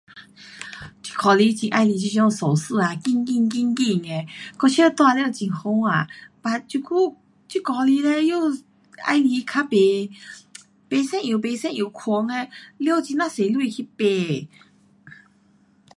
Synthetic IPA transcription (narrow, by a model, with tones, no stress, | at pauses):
t͡ɕi̥˧kʰɔ˨˩li˧˦t͡ɕi˨˩ʔa˧jli˧t͡ɕi˧ɕjɔ˧ŋsɔ˨˩sɨ˥˧a˨ki˧ŋki˥˧ŋki˥˧ŋki˧ŋe˧˨kɔ˧t͡ɕʰə˥˧t̪wa˧ljo˥˧t͡ɕi˨˩ŋxo˧˦ŋa˨pa˧˨t͡ɕu˧˩kʰu˥˧˨ | t͡ɕu˧˦kɔ˧li˧˦le˧jo˥˧ | a̰˧jli˧kʰa˧˥pe˧ | pe˧˦sɛ̃˥˨njo˨˩pe˧˦sɛ̃˥˧nju˨˩kʰɔ˧˦ŋe˧ljo˥˧˨t͡ɕi˧nã˧se˨lwi˥˧˨kʰi˦pe˧˩